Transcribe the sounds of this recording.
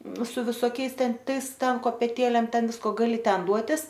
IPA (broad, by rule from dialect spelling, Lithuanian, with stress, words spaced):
sʊ ʋʲɪsoːˈkʲɛɪs ˈtʲɛn ˈtɐɪs ˈtʲɛn koːpʲɛˈtʲeːlʲeːm ˈtʲɛn ˈʋʲɪskoː ɡɐˈlʲɪ ˈtʲɛn ˈduɔtʲɪs